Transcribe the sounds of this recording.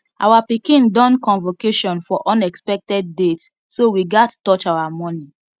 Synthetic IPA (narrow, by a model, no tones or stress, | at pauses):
ʔawapikĩndɔ̃nkɔ̃nvokeʃɔ̃nfɔʔɔ̃nɛkspɛk̚tɛd̚ːet | sowiɡattɔt͡ʃawamɔni